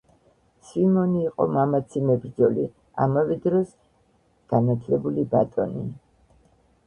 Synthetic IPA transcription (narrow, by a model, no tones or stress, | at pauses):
svimɔniːqʼɔ̰mamat̪sʰimɛbɾd̪zɔli | a̰mavɛd̪ɾɔs | ɡ̥anat̪ʰlɛbulibat̪ʼɔni